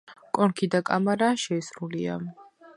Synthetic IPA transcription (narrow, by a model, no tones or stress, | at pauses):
kʼɔnkʰid̪akʼa̰maɾaːʃɛːsɾulia̰